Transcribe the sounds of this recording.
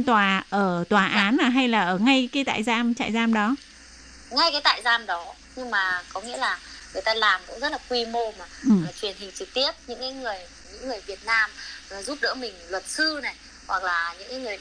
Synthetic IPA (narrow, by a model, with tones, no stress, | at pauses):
t̪waː˨˩ʔəː˧˩t̪waː˨˩ʔaː˨˦naː˨˩ɦa˧jlaː˨˩ʔəː˧˩ŋa˧jkaː˨˦jt̪a̰ː˧˨jzaː˧mt͡ɕa̰ː˧˨jzaː˧mɗɔ˨˦ | ŋa˧jkaː˨˦t̪a̰ː˧˨jzaː˧mɗɔ˨˦ | ɲɨ˧ŋmaː˨˩kɔ˨˦ŋḭ˧˥əlaː˨˩ŋɨ˨˩əjt̪aː˧laː˨˩mkʊ̰˧˥ŋ͡mzə˦˥t̚laː˨˩kwi˧mo˧maː˨˩˨t͡ɕwi˨˩ənhï˨˩ŋ̟t͡ɕɨ˨˩k̚t̪i˦˥əp̚ɲɨ̰˧˥ŋkaː˨˦jŋɨ˨˩əjɲɨ̰˧˥ŋːɨ˨˩əjvi˨˩ət̚naː˧mː˨˩zu˦˥p̚ɗə̰ː˧˥mï˨˩ŋ̟lwə˨˩t̚sɨ˧na˨˩j | hwa˨˩k̚laː˨˩ɲɨ̰˧˥ŋkaː˨˦jŋɨ˨˩əj